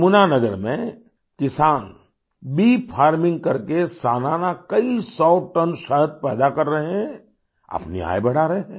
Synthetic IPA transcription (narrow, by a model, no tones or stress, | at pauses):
mʊnanɐɡəɾmḛ̃ | kɪsaːn | biːpʰaːɾmɪ̃ŋɡ̚kɐɾkesaːnaːnakɐisɔːʈənʃəɦət̪̚pɛ̰ːd̪akɐɾːɐɦeɦɛ̃ | ɐ̰pnḭa̰ːebɐɽ̤aːɾɐeɦɛ̃ː